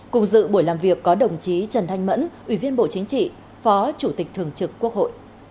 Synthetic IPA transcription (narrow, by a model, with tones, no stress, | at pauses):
kʊ˨˩ŋ͡mzɨ̰˧˨ɓu˧˩jlaː˨˩mvi˨˩əkːɔ˨˦ɗə˨˩wŋ͡mt͡ɕi˨˦t͡ɕə˨˩nt̪ʰa˧jŋmə̰˧˥nʔwi˧˩vi˧ənɓo̰˧˨t͡ɕï˨˦ŋ̟t͡ɕḭ˧˨ | fɔ˨˦t͡ɕu˧˩t̪ï˨˩k̟̚t̪ʰɨ˨˩əŋt͡ɕɨ˨˩kːu˦˥ək̚ho̰˧˨jʔ